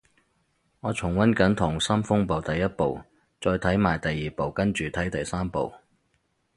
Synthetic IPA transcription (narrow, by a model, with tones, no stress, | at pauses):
ŋɔː˨˧t͡sʰʊ˨˩ŋwɐ˥nkɐ˨˥nt̪ʰʊ˨˩ŋsɐ˥mfʊ˥ŋpo˨wt̪ɐ˨jːɐ˥t̚po˨w | t͡sɔː˧jt̪ʰɐ˨˥jmaː˨˩jt̪ɐ˨jːiː˨po˨wkɐ˥nt͡ʃyː˨˩t̪ʰɐ˨˥jt̪ɐ˨jsaː˥mpo̰˨w